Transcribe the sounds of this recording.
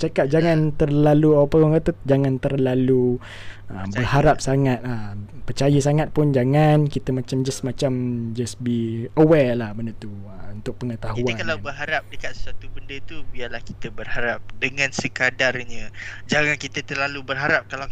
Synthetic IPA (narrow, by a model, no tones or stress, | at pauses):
t͡ʃakat̪̚d͡ʒaŋãnt̪ərlaluapaɡaŋkat̪əd͡ʒaŋãnt̪ərlalu | ə̰bərhaɾap̚saŋat̪̚əpət͡ʃajəsaŋat̪̚pʊnd͡ʒaŋankit̪əmat͡ʃamd͡ʒasmat͡ʃamd͡ʒəsbiəwɛlahbəndət̪u | əunt̪ʊk̚pəŋət̪aɦuakalawbərɦaɾap̚dəkat̪sə̥swat̪ubəndət̪ubialahkit̪əbərhaɾap̚dəŋãnsəkadarɲə̃d͡ʒaŋankit̪ət̪ərlalubərɦaɾap̚kala